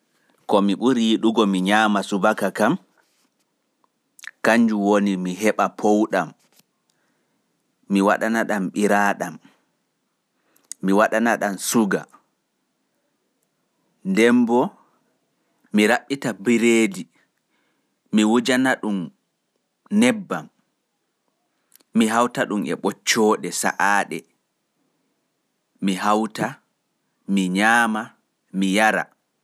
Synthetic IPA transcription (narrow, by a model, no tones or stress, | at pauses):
kɔmiɓuɾiɗuɡɔmiɲaːmasubakakam | kaɲd͡ʒuwonimiɦɛɓapʰowɗam | iwaɗanaɗamɓiɾaːɗam | iwaɗanaɗansuɡa̰ | ndɛmbɔ | miɾaɓːitabiɾeːdi | miwud͡ʒanaɗum | nɛbːam | iɦawtaɗumɛ̰ɓɔt͡ʃːɔːɗɛsa̰ʔaːɗɛ | miɦawta | miɲaːma | mijaɾa̰